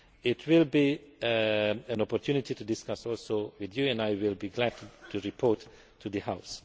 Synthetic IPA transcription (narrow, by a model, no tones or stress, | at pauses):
ɪtʰwɪlbi | ɛ̃nɔpɔtʰjunititudɪskasɔlˠsowɪðjuɛ̃ndajwɪlˠbiɡlædtʰuɹipʰɔɹtʰː | uðɨhaʊs